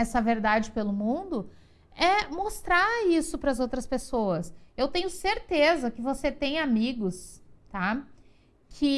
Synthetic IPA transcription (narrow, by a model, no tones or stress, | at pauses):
ɛsɐveɾd̪ad͡ʒɪpelʊmũd̪ʊ | ɛmost̪ɾaisʊpɾɐzowt̪ɾɐspesoɐsewt̪ẽɲ̃ʊseɾt̪ezɐkɪvoset̪ẽj̃amiɡʊst̪a | kʰɪ